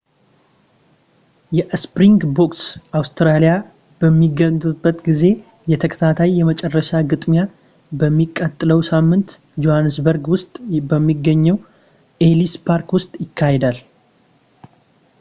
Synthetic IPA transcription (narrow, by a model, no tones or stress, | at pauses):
jɛʔspɾiŋɡbo̞ksʔawst̪ʰɾalija | b̥əmːiɡət̪ʼubːət̪ɡize̞ | jɛt̪ʰəkʰə̥t̪ʰat̪ʰajjɛmət͡ʃʼɛrːəʃaɡɨt̪ʼmja | bəmːikʼːət̪ʼːɨləwsamːɨnt̪ | d͡ʒo̞hanːɨsbəɾɡwʊst̪ʼbəmːiɡːəɲːɛw | ʔe̞lispʰaɾkwʊst̪ʼjɪkʰːahed̪al